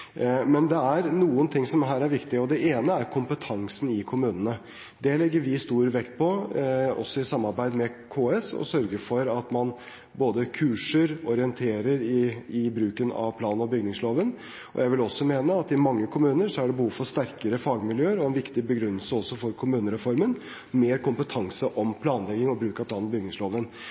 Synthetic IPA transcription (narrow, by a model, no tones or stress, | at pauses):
mɛnd̪ɛæɾnuːənt̪ʰɪŋːsɔmɦæːɾæɾʋɪkt̪ɪəɔd̪ɛeːnəæɾkʰʊmpət̪ʰɑŋsn̩ɪkʰʊmʉːnənə | d̪ɛlɛɡːəɾʋɪst̪uːɾʋɛkt̪̚pʰɔɔ̰sːɔɪsɑmːɑɾbæɪd̪mɛkʰoːɛsɔ̰sœɾɡəɾfɔɾɑt̪mɑn | boːd̪əkʰʉːʂəɾɔɾɪənt̪ʰeːɾəɾɪɪbɾʉːkənɑ̰ʋpʰlɑːnəɔbʏɡnɪŋsloːʋən | ʔɔ̰jæɪʋɪlɔsːɔmeːnəɑt̪ɪmɑŋːəkʰʊmʉːnəɾʂɔæɖɛbəhuːʋfɔɾʂt̪æɾkəɾəfɑːɡmɪljøːəɾɔɛnʋɪkt̪ɪbəɡɾʉnːəlsəɔsːɔfɔɾkʰʊmʉːnəɾɛfɔɾmən | meːɾkʊmpət̪ʰɑŋsəʔɔmpʰlɑːnlɛɡɪŋɔbɾʉːkɑpʰlɑːnɔbʏɡnɪŋsloːʋən